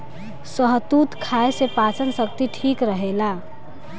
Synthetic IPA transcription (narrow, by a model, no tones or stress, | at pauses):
səɦt̪ut̪kʰaesepat͡ʃənsəkt̪iʈʰikɾəɦela